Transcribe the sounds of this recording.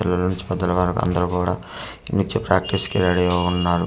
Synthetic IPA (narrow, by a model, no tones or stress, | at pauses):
ɛlːɐlɐnuɲt͡ʃi̥pɛd̪ːɐlɐʋaɾɐkuɐ̰nd̪ɐɾukuːɽa̰ː | nit͡ʃepɾaːk̚ʈiskɛɾaːɽiɡaunːaːɾu